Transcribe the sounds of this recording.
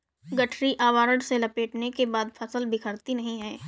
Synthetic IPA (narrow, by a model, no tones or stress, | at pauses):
ɡɐʈʰɾiʔaːʋaːɾəɽselɐpeːʈnekebaːd̪fʰɐsəlbʱɪkʰəɾt̪inɐɦĩɦɛː